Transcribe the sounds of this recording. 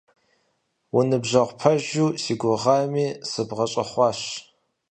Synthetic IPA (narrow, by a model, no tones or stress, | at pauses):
wʊnɨbʑɐʁʷpʰɐʒuːsiːɡʷʊʁɑːmiːsɨbʁɐɕʼɐχʷɑːɕ